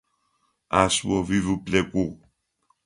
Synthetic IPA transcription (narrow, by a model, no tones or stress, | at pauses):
asuɔvivuplɛku